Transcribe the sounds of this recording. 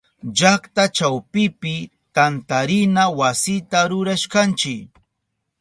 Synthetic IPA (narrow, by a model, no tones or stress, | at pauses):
d͡ʒakt̪at͡ʃawpɪpɪ | t̪ant̪aɾɪnawasɪt̪aɾʊɾaʃkant͡ʃɪk